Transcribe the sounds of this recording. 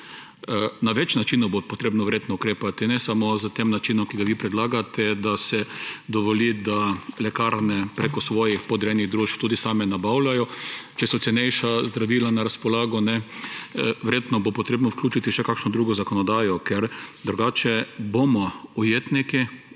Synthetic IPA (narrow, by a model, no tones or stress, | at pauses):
naʋɛt͡ʃnat͡ʃinʊbopɔt̪ɾeːbnɔʋɛɾjet̪nɔukɾeːpat̪inɛsamozət̪eːmnat͡ʃiːnɔmkiɡaʋipɾɛd̪laːɡat̪ʰɛd̪asɛd̪ɔʋɔlid̪alɛkaɾnɛpɾekɔsʋɔːjixpɔd̪ɾɛniɣd̪ɾuːʃpt̪uːd̪isaːmɛnabawlʲajɔt͡ʃɛsɔt̪sɛnɛjʃazd̪ɾaʋiːlanaɾaspɔlaːɡɔnɛ | ʋɛɾjeːt̪nɔbopɔt̪ɾeːbnɔwklʲuːt͡ʃit̪iʃɛkakʃnɔd̪ɾuːɡɔzakɔnɔd̪aːjɔkɛɾd̪ɾuɡaːt͡ʃɛbomɔujeːt̪niki